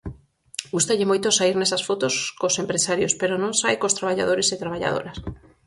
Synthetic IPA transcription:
ɡust̪aʎɪmojt̪osaiɾnɛsɐsfot̪oskosempɾesaɾjospeɾonõŋsajkost̪ɾaβaʎa̰ðoɾesɪt̪ɾaβ̞aʎa̰ðo̰ɾas

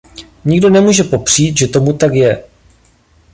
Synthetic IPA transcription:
ɲɪɡdo̞nɛmuːʒɛpo̞pr̝̥iːt̪ʒɛt̪o̞mut̪akjɛ

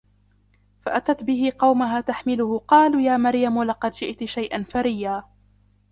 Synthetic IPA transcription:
faʔat̪at̪bɪɦɪqɑwmaɦaːt̪aħmɪlʊhʊqɑːluːjaːmaɾjamlɑqɑd̪d͡ʒɪʔt̪ʃajʔanfaɾɪjːaː

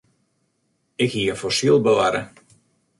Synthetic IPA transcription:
ɪkhiəfɔsilˠbəʋaɾə̰

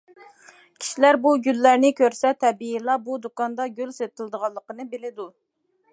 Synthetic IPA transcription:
kʲʰi̥ʃilæɾbuɡʲylːæɾnɪkʲʰøɾsɛt̪ʰɛbiilˠɑbud̪okɑnd̪ɑɡʲylset̪ʰɨlˠd̪əʁɑlˠːəqənɨbelɪd̪u

